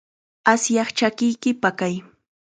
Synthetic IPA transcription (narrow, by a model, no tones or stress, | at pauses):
asjɑχt͡ʃakɪjkɪpakaj